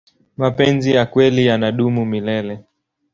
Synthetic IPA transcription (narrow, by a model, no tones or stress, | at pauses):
mapɛnzijakwɛlijanaɗumumilɛlɛ